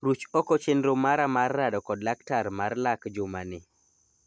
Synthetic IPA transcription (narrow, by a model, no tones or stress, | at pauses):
ɾut͡ʃɔkɔt͡ʃendɾomaɾamarːadɔkɔdlaktaɾmarlakd͡ʒʊmanɪ